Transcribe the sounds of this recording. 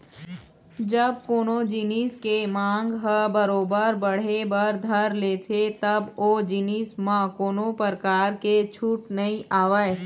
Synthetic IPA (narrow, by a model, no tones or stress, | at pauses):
d͡ʒɐb̚koːnod͡ʒiniːskemãːŋɡɦɐbɐɾoːbəɾbɐɽ̤ebɐɾd̪ʱɐɾleːt̪ʰet̪ɐboːd͡ʒɪniːsmãkoːnopəɾkaːɾket͡ʃʰuːʈnɐɦĩʔaːʋae